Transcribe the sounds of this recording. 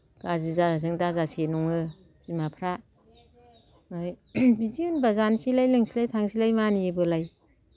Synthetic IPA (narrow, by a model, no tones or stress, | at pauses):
ɡ̥azizazɯŋdazasenuŋɯ | zimapʰɾa | naj | bidiunbazansilajlɯŋsilajtʰaŋsilajmaniebɯlaj